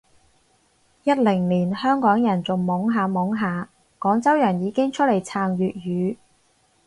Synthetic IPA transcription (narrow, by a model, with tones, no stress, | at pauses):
jɐ˥t̚lɪ˨˩ŋliː˨˩nhœː˥ŋkɔː˨˥ŋjɐ˨˩nt͡so˨ŋmʊ˨˥ŋɦaː˨˧mʊ˨˥ŋɦaː˨˧ | kɔː˨˥ŋt͡sɐ˥wjœ˨˩njiː˨˧kɪ˥ŋt͡ʃʰɵ˥t̚le˨˩jt͡sʰaː˧ŋjyː˨t̚ɥyː˨˧